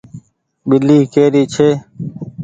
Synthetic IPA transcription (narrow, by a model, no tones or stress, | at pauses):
ɓɪliːkeːɾiːt͡ʃʰeː